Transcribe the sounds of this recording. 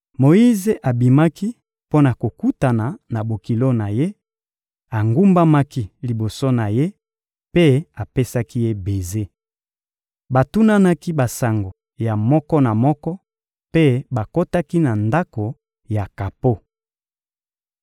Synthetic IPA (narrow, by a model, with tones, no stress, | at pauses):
mo˨ji˦ze˨ʔa˨bi˨ma˦ki˦ | po˦na˨ko˨ku˦ta˨na˨na˨bo˨ki˨lo˦na˨je˦ | a˨ŋɡu˦mba˦ma˦ki˦li˨bo˨so˦na˨je˦ | pe˦a˨pe˦sa˦ki˦je˦be˨ze˦ | ba˨tu˦na˦na˦ki˦ba˨sa˨ŋɡo˨ | ja˨mɔ˦kɔ˦na˨mɔ˦kɔ˦ | pe˦ba˨ko˦ta˦ki˦na˨nda˦ko˨ | ja˨ka˨po˦